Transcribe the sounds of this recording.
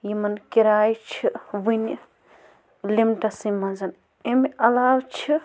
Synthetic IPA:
jimɐnkiɾaːjt͡ʃʰiʋin | limʈɐsimɐnzɐn | emiʔɐlaːwt͡ʃʰi

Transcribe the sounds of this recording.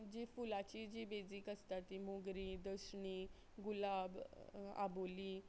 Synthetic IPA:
d͡ʑifulat͡ɕid͡ʑiːbed͡ziːkəst̪at̪ːimoɡɾiːd̪əsɳi | ɡulaba̰boliː

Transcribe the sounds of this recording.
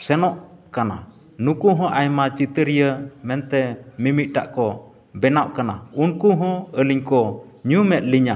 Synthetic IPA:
sɛnɔʔkana̰nukuɦɔ̃ʔajmat͡ʃit̪əɾijəmɛnt̪ɛmimit̪̚ˀʈa̰ʔkɔ | bɛnawʔkana̰unkuɦɔ̃əliɲkɔ | ɲumɛt̪̚liɲa

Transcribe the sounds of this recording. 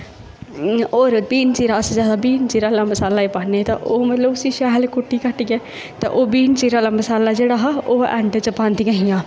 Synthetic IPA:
oːɾbiːnt͡ʃiːɾaːsd͡ʒaːd̪abiːnt͡ʃiːɾalamɐsaːlaipanet̪ɐ̰ʔoːmɐt̪ləbʊsiʃɛɦlkʊʈːikɐʈɡe | t̪ɐ̰ʔoːbiːnt͡ʃiɾaːlamɐsaːlad͡ʒeːɽaɦɐoɛ̰̃ɳɖt͡ʃɐpaːnt̪ikɐɦijãː

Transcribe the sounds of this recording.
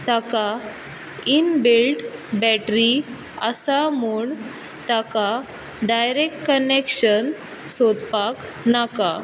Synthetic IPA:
t̪aka | inbelʈbɛʈɾi | ə̰samuːɳ | t̪aka | ɖajɾekʈkənekɕən | sod̪pak | naka

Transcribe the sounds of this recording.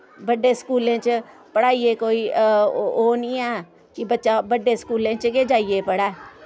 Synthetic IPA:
bəɖeːskuːlẽːt͡ʃ | pəɽaːiːeːkoːiː | oːnĩːɛː | kɪbətːʃaːbəɖːeːskuːlẽːt͡ʃkeːd͡ʒaːiːeːpəɽɛː

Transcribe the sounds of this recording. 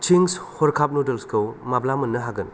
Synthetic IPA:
t͡ʃiŋshɔɾkʰap̚nodelskʰɐwmablamɐnːɐɦaɡɐn

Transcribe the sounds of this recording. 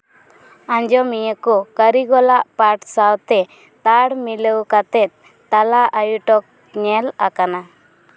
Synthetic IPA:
aɲd͡ʒɔmijəkɔkəɾiɡɔlaʔpaɾʈsawt̪ɛ | t̪aɽmiləwkat̪ɛt̪̚ | t̪alaʔajuʈɔk̚ | ɲɛlakana

